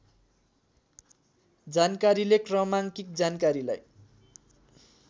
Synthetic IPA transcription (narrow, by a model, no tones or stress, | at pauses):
d͡zankaɾilekrʌmaŋkik̚d͡zankaɾila̰j